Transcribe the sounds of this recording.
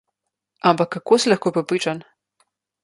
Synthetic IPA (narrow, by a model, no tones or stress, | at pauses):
ampakːakoːslɐxkoːpɾɛpɾiːt͡ʃan